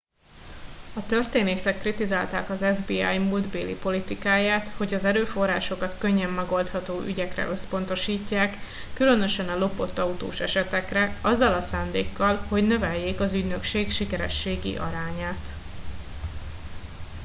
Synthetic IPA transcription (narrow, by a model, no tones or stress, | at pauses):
ɒt̪ø̞rt̪eːneːsɛkːrit̪izaːlt̪aːkɒzɛvbiːa̰ːjmuld̪beːlḭpo̞lit̪ikaːjaːt̪ho̞ɟɒzɛɾøːfo̞rːaːʃo̞kɒt̪køɲːɛmːɛɡo̞lt̪hɒt̪oːʔy̰ɟɛkrɛ̰ʔø̞spo̞n̪t̪o̞ʃiːcːaːkː | ylø̞nø̞ʃɛnɒlo̞po̞t̪ːɒut̪o̰ːʃɛʃɛt̪ɛkrɛɒzːɒlɒsaːnd̪eːkːɒlho̞ɟnø̞vɛjːeːkɒzyɟnø̞kʃeːkʃikɛɾɛ̰ʃːeːɡḭʔɒ̰ɾaːɲaːt̪